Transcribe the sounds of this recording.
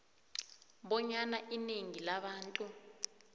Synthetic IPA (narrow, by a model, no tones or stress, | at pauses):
ɓɔɲanaʔineŋilaɓaːntʼu